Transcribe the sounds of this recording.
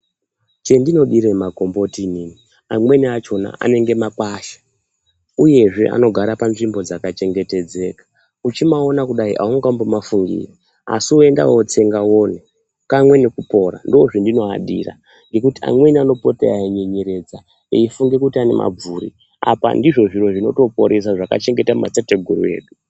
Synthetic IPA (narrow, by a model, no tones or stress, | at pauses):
t͡ʃe̞ndino̞ɗiɾemako̞mbo̞tinini | amwe̞niat͡ʃo̞na̰a̰ne̞ŋɡe̞makaʃḁ | uje̞ʐe̞ʔa̰no̞ɡʱaɾapanʐimbo̞d͡zakat͡ʃe̞ŋɡe̞te̞d͡ze̞kḁ | ut͡ʃimao̞nakuɗaḭʔauŋɡambomafuŋɡḭːri | a̰sioe̞nda̰wot͡se̞ŋɡawone | kamwe̞ne̞kupo̞ɾa̰ndooʐindino̞aɗḭra̰ | ŋɡe̞kutia̰mwe̞niano̞potḛaiɲeɲeɾe̞d͡za | eifuŋɡe̞kutiane̞̰mʔa̰b͡vuːɾḭ | a̰pa̰ndiʐo̞ʐiro̞ʐino̞̰to̞po̞ɾʔes̬aʐaka̰t͡ʃe̞ŋɡe̞tamma̰t͡sateɡʱuɾṵe̞̰ːɗu